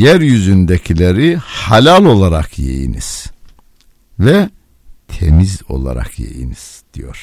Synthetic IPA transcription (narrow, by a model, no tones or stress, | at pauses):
jæɾjyzynd̪ecʰilʲeɾihalʲalʲˠo̞lˠaɾakʰjḛjḭnḭz̥ | vɛ | t̪ʰemizo̞̰lˠa̰ɾa̰kʰjḛjḭniz̥d̪̥ijo̞̰ɾ̥